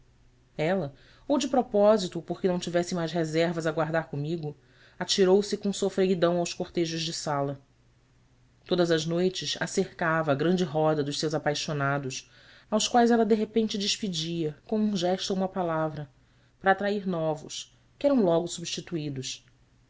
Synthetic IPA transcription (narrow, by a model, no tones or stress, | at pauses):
ɛlɐ | owd͡ʒɪpɾɔpɔzit̪ʊpoχkɪnɐ̃w̃t͡ʃivɛsɪmajʃɦezɛɾvɐzaɡwaɾd̪aɾkomiɡʊ | at͡ʃiɾowsɪkõsofɾeɡid̪ɐ̃w̃awskoχt̪eʒʊʒd͡ʒɪsalɐ | t̪od̪ɐzɐʒnojt͡ʃɪʃa̰seɾkavɐːɡɾɐ̃nd͡ʒɪɦɔd̪ɐd̪ʊʃsewzapajʃonad̪ʊʃ | awskwajzɛlɐd̪eɦepẽnt͡ʃɪd͡ʒiʃpid͡ʒiɐkõm̃ũʒɛʃt̪uoũmɐpalavɾɐ | pɾat̪ɾaiɾnɔvʊ̰ʃ | kɪɛɾɐ̃w̃lɔɡʊsubiʃt͡ʃit̪uid̪ʊs